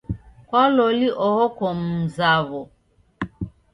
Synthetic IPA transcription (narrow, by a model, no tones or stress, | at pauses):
kɔloliʔɔɣokɔm̩zaβɔ